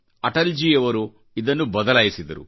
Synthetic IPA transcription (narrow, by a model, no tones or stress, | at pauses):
ɐʈɐld͡ʒiːjɐʋɐɾu | id̪ɐnːubɐd̪ɐlaːjisid̪ɐɾṵ